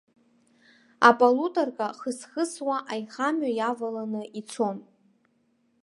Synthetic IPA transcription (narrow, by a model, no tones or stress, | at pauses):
a̰pʼalutʼarkʼaχəsχəswaʔajχamɥajavalanɨit͡sʷʰo̞n